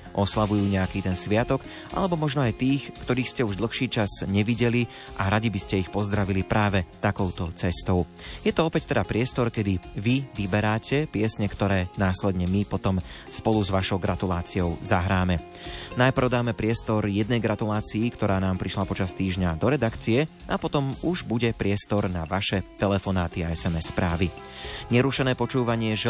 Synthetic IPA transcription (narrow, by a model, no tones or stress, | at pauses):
ʔɔslaʋujuːɲɛakit̪ɛnsʋɪat̪ɔk | ʔa̰lɛbɔmɔʒnɔajt̪iːxkt̪ɔɾiːxscɛuʒd̪l̩xʃiːt͡ʃazɲɛʋiɟɛli | ʔaɾaɟibiscɛixpɔzd̪ɾaʋilipɾʔaːʋɛt̪akɔʊt̪ɔt͡sɛst̪ɔʊ | jɛt̪ɔɔpɛct̪ɛd̪apɾɪɛst̪ɔɾkɛd̪iʋiʋibɛɾaːcɛpɪɛsɲɛkt̪ɔɾɛːnaːslɛd̪ɲɛmipɔt̪ɔm | spɔluzʋaʃɔʊɡɾat̪ulaːt͡siɔʊzaɦɾaːmɛ | najprɾ̩ʊd̪aːmɛpɾɪɛst̪ɔɾjɛd̪nɛjɡɾat̪ulaːt͡siːkt̪ɔɾaːnaːmpɾiʃlapɔt͡ʃast̪iːʒɲad̪ɔɾɛd̪akt͡siɛ | ʔapɔt̪ɔmuʒbuɟɛpɾɪɛst̪ɔɾnaʋaʃɛt̪ɛlɛfɔnaːt̪iaɛsɛmɛsːpɾaːʋi | ɲɛɾuʃɛnɛːpɔt͡ʃuːʋaɲɪɛʒɛ